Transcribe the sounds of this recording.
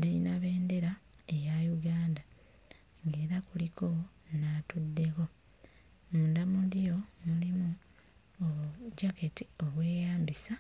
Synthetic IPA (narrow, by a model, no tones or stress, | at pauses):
diinaβe̞ːnde̞ɾaejajuɡaːnda | ŋɡe̞ːɾakuliko̞ | natudːe̞ko̞ | muːndamudijo̞mulimu | oɟaketio̞βwe̞ːjaːmbisa